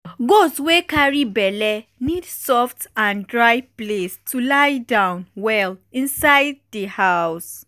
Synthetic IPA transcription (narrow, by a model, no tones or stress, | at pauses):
ɡoswekaɹibɛlɛnidsɔftãndɹajplestulajdãʊ̃nwɛlĩnsaɪd̚dihaʊs